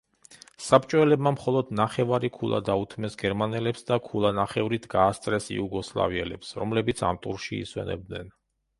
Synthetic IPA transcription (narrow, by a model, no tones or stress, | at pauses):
sapʼt͡ʃʼɔwɛlɛbmamχɔlˠɔd̪naχɛvaɾikʰulˠa̰d̪aut̪ʰmɛsɡɛɾmanɛlɛpsd̪akʰulˠanaχɛvɾit̪ʰɡaːst̪sʼɾɛsḭuɡɔslˠa̰viɛlɛpsɾɔmlɛbit̪sʰa̰mt̪ʼṵɾʃiḭswɛ̰nɛ̰b̚d̪nɛn